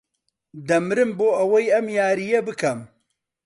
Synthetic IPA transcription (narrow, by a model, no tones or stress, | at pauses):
d̪ɐmɾɨmboːʔɐwɐjɐmjaːɾijebɨkʰɐm